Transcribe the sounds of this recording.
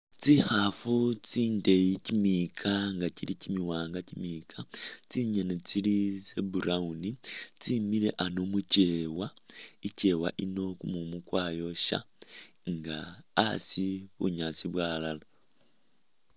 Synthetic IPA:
t͡sixafut͡siːndejicimiːkʰaŋɡaciɾicimiwaːŋɡacimikʰat͡siɲenet͡silisebuɾaunit͡simiɾe̞̰ʔanomuceːwaice̞ːwaʔino̞kumumukwaːjo̞ʃa̰ | ŋɡaːsiβṵɲasiβwaːlala

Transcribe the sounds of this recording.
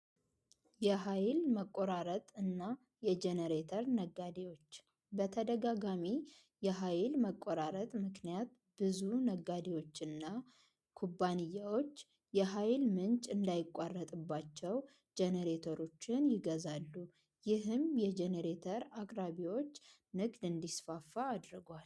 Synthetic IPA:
jɛɦajlməkʼːoɾaɾət̪ʼɨnːa | jɛd͡ʒɛnəɾet̪ʰəɾnəɡːad̪ewo̞t͡ʃː | bət̪ʰəd̪əɡaɡami | jɛɦajlməkʼːoɾaɾət̪ʼmɨknijat̪̚ | b̥ɨzunəɡːad̪ewo̞t͡ʃːɨnːa | kʰubːanɨjːawo̞t͡ʃː | jɛɦajlmɨnt͡ʃʼɨnd̪ajɪkʼarːət̪ʼɨbːat͡ʃːɛw | d͡ʒenəɾet̪ʰoɾo̞t͡ʃːɪnjɪɡəzalːu | jɪɦɨmjɛd͡ʒɛnəɾet̪ʰəɾakʼɾaβiwo̞t͡ʃː | nɨɡd̪ɨnd̪isfafːaːd̪ɾɨɡwal

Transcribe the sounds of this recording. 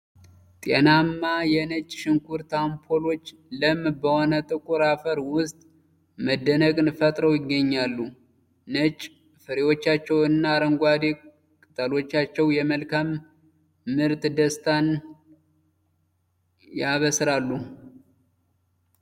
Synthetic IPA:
t̪ʼenamːajɛnət͡ʃʼʃɪŋkʰuɾt̪ʰampʰolo̞t͡ʃː | ləmːbəho̞nət̪ʼɨkʼuɾafəɾwʊst̪ʼ | məd̪ːənəkʼnɨfət̪ʼɾəwjɪɡːəɲːalːu | nət͡ʃʼ | fɨɾewo̞t͡ʃːat͡ʃːɛwɨnːaɾəŋɡʷad̪e | kʼɨt̪ʼəlo̞t͡ʃːat͡ʃːɛwjɛməlkamː | ɨɾt̪d̪əst̪ʰan | jaβəsɾalːu

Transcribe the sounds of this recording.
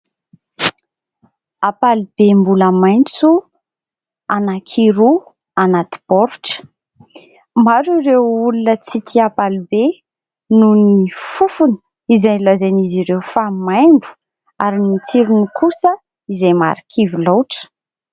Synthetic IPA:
apalib̥embuləmajnt͡su | anakʰiɾu | anat̪i̥bɔɾuʈ͡ʂə̥ | maɾuɾewulunət͡sit̪ʰiapalibe | nunifufuni̥ | izalazaniziɾewfamajmbu̥ | aɾinit͡siɾunikusə | izejma̰ɾikʰivilawʈ͡ʂə̥

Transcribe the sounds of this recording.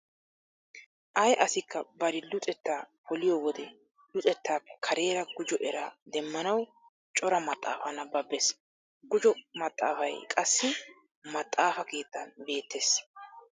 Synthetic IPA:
ʔɐjʔɐsɪkːɐbɐɾɪlʊt̪ʼɛt̪ːaːpʰɔlɪjɔwɔd̪ɛ | lʊt̪ʼɛt̪ːaːpːɛ̥kʰɐɾe̞ːɾɐɡʊd͡ʒɔʔɛɾa̰d̪ɛmːɐnɐw | t͡ʃʼɔɾɐmɐt̪ʼːa̰ːfɐnɐbɐbːɛs | ɡʊd͡ʒɔmɐt̪ʼːa̰ːfɐjkʼɐsːɪ | mɐt̪ʼːaːfɐke̞ːt̪ːɐnbe̞ːt̪ːeːs

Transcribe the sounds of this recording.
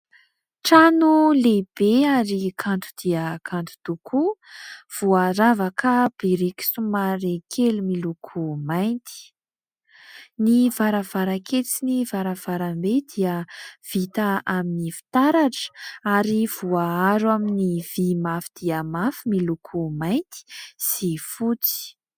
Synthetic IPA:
ʈ͡ʂanuleb̥eaɾikʰant̪u̥d̪̥iəkʰant̪u̥t̪ukʰuv̥uaɾavakʰəb̥iɾiki̥sumaɾekʰelumilukʰumajnt̪i̥ | nivaɾav̥aɾakʰet͡sinivaɾav̥aɾambed̪iəv̥it̪aaminifi̥t̪aɾaʈ͡ʂə̥aɾiv̥uaaɾwaminiv̥imafid̪̥iəmafimilukʰumajnt̪i̥sifut͡si̥

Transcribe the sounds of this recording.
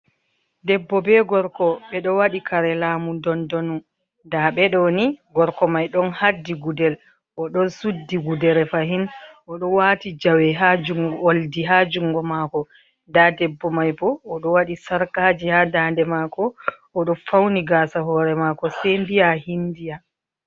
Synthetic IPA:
dɛbːɔbɛɡɔɾkɔɓɛɗɔwaɗikʰaɾɛlaːmudɔndɔnu | daɓɛɗɔniɡɔɾkɔmajɗɔnhadːiɡudɛl | ʔɔɗɔnsudːiɡudɛɾɛfaɦinʔɔɗɔwatid͡ʒawɛɦad͡ʒuŋɡoldiɦad͡ʒuŋɡɔmakɔ | dadɛbːɔmajbɔːɗɔwaɗisaɾkaːd͡ʒihadaːndɛmakɔʔːɗɔfawniɡaːsaɦɔɾɛmakɔsembijahindija

